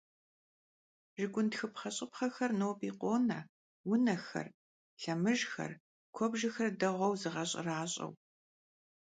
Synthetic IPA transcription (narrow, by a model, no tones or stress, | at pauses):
ʒɪɡʷʊntxɨpχɐɕʼɪpχɐxɐrnoːpʼiːqʷoːnɐ | wʊnɐxɐ̰r | ɬɐmɨʒxɐ̰r | kʷʰɔbʒɐxɐrdɐʁʷɔwzɨʁɐɕʼɪ̰raːɕʼɐ̰w